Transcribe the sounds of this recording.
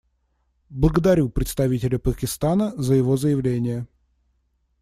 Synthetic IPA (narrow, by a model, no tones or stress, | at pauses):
blˠəɡəd̪ɐɾʲupɾʲɪt̪st̪ɐvʲitʲɪlʲəpəkʲɪst̪anəzəjɪvo̞zəjɪvlʲenʲɪjə